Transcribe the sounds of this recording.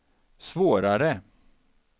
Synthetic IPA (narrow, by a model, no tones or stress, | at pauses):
svoːɾaɾə